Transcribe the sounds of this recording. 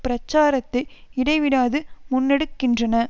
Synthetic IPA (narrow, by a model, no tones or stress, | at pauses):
pɪɾɐt͡ʃːaːɾɐt̪ːɐɪɪɽɐɪʋɪɽaːðɯmʊnːɛɽɯkːɪndrɐnɐ